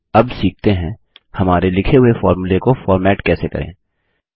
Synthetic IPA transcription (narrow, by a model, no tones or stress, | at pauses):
ɐbsiːk̚ʰt̪eɦɛ̃ | hɐmaːɾelɪkʰeɦʊefɔːɾmulekofɔːɾmɛːʈkɛːsekɐ̰ɾḛ̃ː